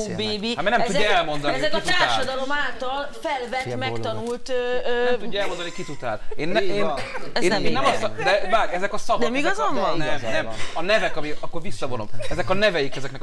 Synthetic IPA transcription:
beːbiamɛnɛmuɟːɔɛlmo̞nd̪ɒnɛizɛkit̪aːraʃɔd̪ɒlo̞maːlt̪ɒlfɛlvɛt̪ːmɛkt̪ɒnult̪øːøɛt̪uɟːɛlmo̞nd̪ɔnikit̪ut̪a̰ːleːnːɛ | eːneːnːɛmsd̪ɛbaːɾɛzɛkɒsɒvnɔɛmiɡɒzomnɛmnɛmɒnɛvɛkɒmiɒkːoɾvisːɒvonomɛzɛkɒnɛvɛjikɛzɛknɛk

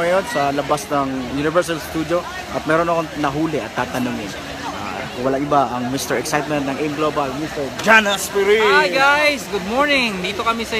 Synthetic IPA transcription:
ɐjonsɐlɐbasnɐŋjunɪvɛɹs̬ɐlst̪uːd̪jo | ʔɐt̪̚mɛːɾonɐkoŋnɐɦuːlɪʔɐt̪ːaːt̪ɐnuŋɪn | a̰ | kʊŋwɐlaŋɪbaʔɐŋmɪst̪ɛɹɛksajt̪̚mɛnt̪nɐŋɛnɡlobalmist̪ɛɹd͡ʒanɐspiɾiaɡajsɡʊd̪̚moɹnɪŋd̪iːt̪okɐmisɐ

